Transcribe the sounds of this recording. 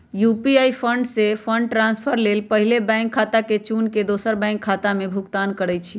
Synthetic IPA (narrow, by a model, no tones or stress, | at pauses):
jupiaipʰəɳɖsepʰə̃ɳɖ̚ʈɾãnspʰəɾlelpəɦilebɛ̃ŋkʰːat̪aket͡ʃunked̪osəɾbɛ̃ŋkʰːat̪amebʱukt̪ankəɾɛt͡ʃʰi